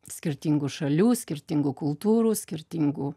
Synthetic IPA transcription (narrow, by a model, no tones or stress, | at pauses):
sʲkʲɪɾʲt̪ʲiŋɡuʃɐlʲuːsʲkʲɪɾʲt̪ʲiŋɡuːkʊlˠt̪uːɾuːsʲkʲɪɾʲt̪ʲiːŋɡu